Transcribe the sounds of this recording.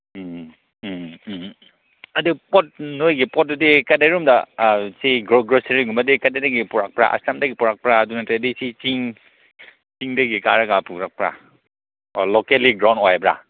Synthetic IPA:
ɐdupɔt̚nojɡipɔt̚dudikɐdeɾumdɐsiɡɡɾoseɾiɡumɐdikɐdedaɡipuɾak̚pɾa̰ʔɐ̰stamdɐɡipuɾak̚pɾaːdunɐtɾeɐdisit͡ʃiŋ | t͡ʃiŋdɐɡikaɾɐɡapuɾak̚pɾa̰ | lokeliɡɾawnojbɾa̰

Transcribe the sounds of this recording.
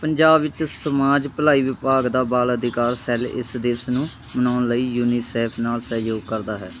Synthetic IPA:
pəɲd͡ʒaːbʋɪt͡ʃsəmaːd͡ʒpəlaːiːʋɪpaːɡd̪aːbaːləd̪ɪkaːɾsɛlɪ̰sd̪ɪsnũː | mənaːnləiːjuːniːsɛːpʰnaːlsəjoːɡ̚kəɾd̪aːɦɛː

